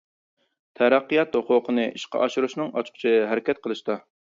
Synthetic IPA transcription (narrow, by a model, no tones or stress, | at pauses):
t̪ʰæɾæqːijɑt̪hʊqʊqʰənɨʔiʃqɑ̰ʔɑʃuɾuʃnɨŋɑt͡ʃʰqʰt͡ʃʰiɦɛɾɪkʲɛt̪̚qʰəlˠɨʃt̪ɑ